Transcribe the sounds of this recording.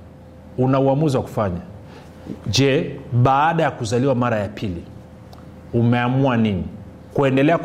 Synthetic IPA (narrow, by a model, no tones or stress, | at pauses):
unauamuziwaku̥faɲa | ʄɛɓaːɗajakuzaliwamaɾajapʰili | umɛamuanini | kuɛndɛlɛak